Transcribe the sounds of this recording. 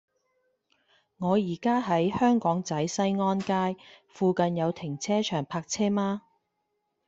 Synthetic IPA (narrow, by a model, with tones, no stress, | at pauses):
ŋɔː˨˧jiː˨˩kaː˥ɦɐ˨˥jhœː˥ŋkɔː˨˥ŋt͡sɐ˨˥jsɐ˥jŋɔː˥nkaː˥jfuː˧kɐ˧njɐ˨˧wt̪ʰɪ˨˩ŋt͡sʰɛː˥t͡ʃʰœː˨˩ŋpʰaː˧k̚t͡sʰɛː˥maː˥